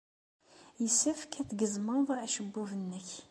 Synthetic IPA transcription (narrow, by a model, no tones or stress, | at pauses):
jəsəfkʰæt̪ɡəzməðˤæʃəbːuvənːəç